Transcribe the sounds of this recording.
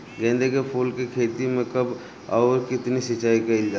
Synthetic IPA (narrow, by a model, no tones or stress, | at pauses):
ɡɛ̃ːnd̪ʱekepʰuːlkikʰeːt̪imẽkɐb | ɔːɾkɪt̪nisɪt͡ʃːaːikaɪld͡ʒaː